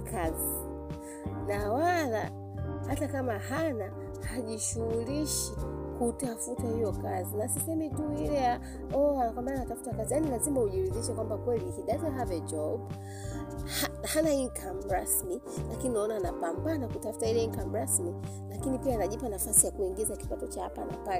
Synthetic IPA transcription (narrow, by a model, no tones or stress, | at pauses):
kʰazi | nawala̰ | hatakamahana | haʄiʃuuliʃi | kutafutahijɔkazinasisɛmituilɛja | ɔakwambananatafu̥takazijanilazimahuʄiɾuðiʃɛkwambakwɛlihiɗazɛɦavɛd͡ʒɔb̚ | hahanaiŋkʰamɾasmi | lakininaɔnaːnapambanakutafu̥tailɛiŋkam̩ɾasmi | lakinipiaːnaʄipanafasijakuiŋɡizaki̥patɔt͡ʃahapana̰palɛ